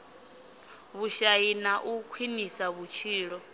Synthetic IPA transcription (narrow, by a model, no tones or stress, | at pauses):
βuʃainaʔukʰwinisaβut͡ʃʰiːɺɔ